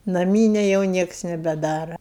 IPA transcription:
nɐˈmʲiːnʲɛ jɛʊ ˈnʲiɛks nʲɛbʲɛˈdɑːrɐ

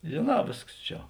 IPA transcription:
ʒʲeːˈnɑː ˈʋʲeːsks ˈt͡ʃʲɛ

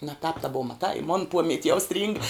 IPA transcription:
nɐ tɑːp tɐ ˈboːʋɐ mɐˈtɐɪ ɪ moːn ˈpoːmʲɛtʲ jɛʊ sʲtʲrʲiːŋk

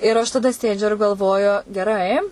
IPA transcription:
ɪr ɐʃ tɐˈdɐ ˈsʲeːd͡ʒʲʊ ɪr ɡɐlˠˈʋoːjʊ ɡʲɛˈrɐɪ

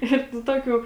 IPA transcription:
ˈɪr nʊ ˈtoːkʲuː

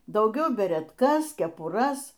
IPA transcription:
dɐʊˈɡʲɛʊ bʲɛrʲɛtˈkɐs kʲɛpʊˈrɐs

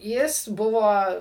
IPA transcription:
ˈjɪs ˈbʊʋoː

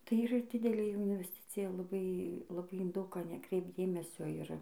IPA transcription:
tɐɪ iːˈrɐ ˈdʲɪdʲɛlʲeː ɪnʲʋʲɛsʲˈtʲɪt͡sʲɪjɛ lˠɐˈbɐɪ lˠɐˈbɐɪ ɪn ˈdɐʊk ˈkɑː nʲɛˈkrʲɛɪpt ˈdʲeːmʲɛsʲoː ˈɪr

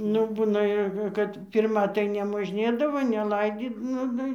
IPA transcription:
ˈnʊ ˈbuːnɐ jɛʊ ˈkɐt ˈpʲɪrmɐ tɐɪ nʲɛmoːʒʲˈnʲeːdɐʋoː nʲɛˈlˠɐɪdʲiː ˈnʊ ˈnʊ

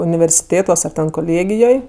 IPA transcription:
ʊnʲɪʋʲɛrʲsʲɪˈtʲeːtuɔs ɐr tʲɛn koːˈlʲeːɡʲɪjoːj

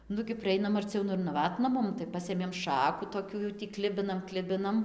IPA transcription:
ˈnʊɡʲɪ pʲrʲɪˈɛɪnɐm ɐrʲˈt͡sʲɛʊ ˈnʊ ɪr nɐˈʋɑːtnɐ ˈmʊm tɐɪ ˈpɑːsʲeːmʲeːm ˈʃɑːkʊ toːˈkʲuː jɛʊ tʲiː ˈklʲɪbʲɪnɐm ˈklʲɪbʲɪnɐm

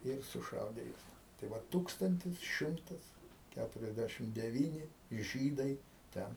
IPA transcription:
ɪr sʊˈʃɐʊdʲeː ˈjuɔs tɐɪ ˈʋɐt ˈtuːkstɐnʲtʲɪs ˈʃʲɪmtɐs ˈkʲætʊrʲɛzʲˈdʲæʃʲɪm dʲɛˈʋʲiːnʲɪ ˈʒʲiːdɐɪ ˈtʲɛn

